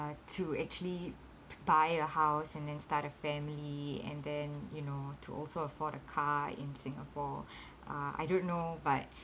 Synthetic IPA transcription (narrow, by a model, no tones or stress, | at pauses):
tʰuɛk̚t͡ʃuəli | bajəhaʊsɛ̃ndɛ̃nstatəfɛ̃mliɛ̰̃ndɛ̃njunotʰuʔɔ̰lsoəfɔdəkʰaɪ̰̃nsɪ̃ŋəpʰɔ | ʔaa̰jdõnːobat̚